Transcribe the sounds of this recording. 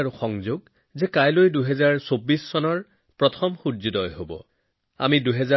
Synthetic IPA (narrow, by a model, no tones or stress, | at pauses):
aɹuxɔŋzoɡ | zɛkajlojduɦɛzaɹsobːisːɔnɔɹ | pɹɔtʰɔmxuɹzidɔjɦobɔ̰ | a̰miduɦɛza